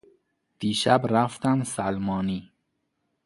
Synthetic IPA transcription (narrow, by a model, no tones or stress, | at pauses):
d̪̥iːʃæbɾæft̪æmsælmɒːniː